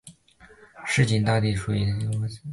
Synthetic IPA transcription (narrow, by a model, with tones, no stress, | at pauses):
ɻ̩˥˩t͡ɕi˧˥˩nt̪a˥˧t̪i˥˩ʂu˧˥i˧˩˧